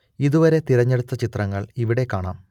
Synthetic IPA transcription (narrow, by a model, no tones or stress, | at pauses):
iðuʋɐɾe̞t̪iɾɐɲːe̞ɽut̪ːɐt͡ɕit̪rɐŋːɐɭiʋiɽe̞kːaːɳaːm